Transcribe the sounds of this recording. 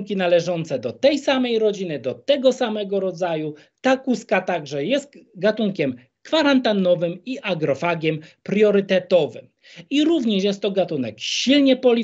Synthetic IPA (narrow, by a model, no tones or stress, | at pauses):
kʲinalɛʐɔnt̪sɛd̪ɔt̪ɛjsamɛjɾɔd͡ʑinɘd̪ɔt̪ɛɡɔsamɛɡɔɾɔd̪zaju | t̪akuskat̪aɡʐɛjɛst̪ɡat̪uŋkʲɛm | kfaɾant̪anɔvɘmiʔaɡɾɔfaɡʲɛmpɾjɔɾɘt̪ɛt̪ɔvɘ̰m | iɾuvɲɛʂjɛst̪ːɔɡat̪unɛ̰kɕilɲɛpɔlʲi